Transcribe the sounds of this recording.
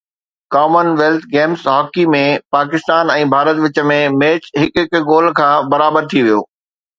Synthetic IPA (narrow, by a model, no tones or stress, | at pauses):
kaːmənʋeːlt̪ʰɡeːmsɦɔːkimẽpaːkɪst̪aːnɛ̃ːbʱaːɾət̪ʋɪt͡ɕə̆mẽmeːt͡ɕɦɪkɪkɡoːl̤kʰãːbɐɾaːbəɾt̪ʰiʋijo̰ː